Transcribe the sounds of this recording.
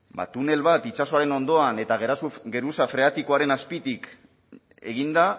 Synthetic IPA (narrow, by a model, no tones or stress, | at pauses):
ba̰t̪une̞lβat̪it͡ʃaso̞aɾe̞no̞nd̪o̞ane̞t̪aɣeɾasuɡe̞ɾusafɾe̞at̪ikoaɾe̞naspit̪ik | e̞̰ɣind̪a